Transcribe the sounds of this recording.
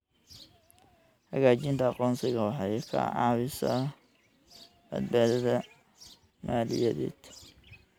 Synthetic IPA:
hɐɣaːt͡ʃɪnt̪ʰɐɑqɔːnsɪɣɐwɑħɑjɛkʰɐ̰ʕɑ̰βɪsɐ | bɐ̰d̪̚baːðɐðɐ | maːlɪ̰jɐðɛ̰ːd̪̥

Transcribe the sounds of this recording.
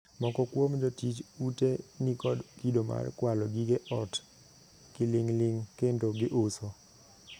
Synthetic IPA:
mɔkɔkwomd͡ʒɔtit͡ʃutenikɔdkidoma̰rkwalɔɡiɡeʔɔt | kɪlɪŋlɪŋkendoɡɪʔʊso

